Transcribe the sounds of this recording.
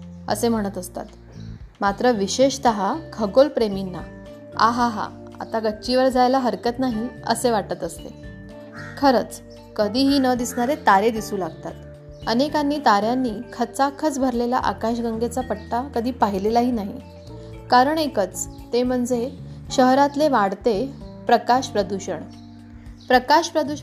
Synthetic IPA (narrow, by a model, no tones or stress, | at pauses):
ə̰sem̤əɽ̃ət̪əst̪a̰t̪ | mat̪ɾəʋiɕeɕt̪əɦakʰəɡolpɾeminːa̰ | a̰ɦaɦa̰ | a̰t̪aɡəːɕiʋəɾd͡zajlaɦəɾkət̪naɦiə̰seʋaʈət̪əst̪ḛ | kʰəɾət͡s | kəd̪ʱiːɦiːnəd̪isɳaɾet̪aɾed̪isuːlaɡt̪at̪ | ənekanːiːt̪aɾjanːiːkʰət͡sakʰət͡sbʱəɾlela̰ʔa̰kaɕɡəŋɡet͡sapəɽʈakəd̪ʱiːpaɦilelaɦiːnaɦḭ | kaɾəɳekət͡st̪em̤əɳd͡zeɕəɦɾat̪leʋaɽt̪epɾəkaɕpɾəd̪uɕəɳ | pɾəkaɕpɾəd̪u